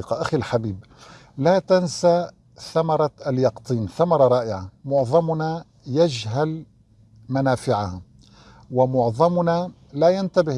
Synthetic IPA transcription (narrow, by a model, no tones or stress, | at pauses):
qɑʔaxilħabiːb | laːt̪ansa | θamɑɾˤɑaljɑqt̪ˤiːnθamɑɾˤɑɾˤɑːʔɪʕamʊʕðˤɑmna | jad͡ʒɦal | manaːfɪʕaha | wɪmʊʕðˤɑmna | lajant̪abɪh